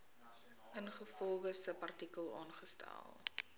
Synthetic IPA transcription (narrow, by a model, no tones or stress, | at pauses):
ʔənχəfɔlˠχəsəpɐrtikəlˠɑːnχəstæ̰lˠ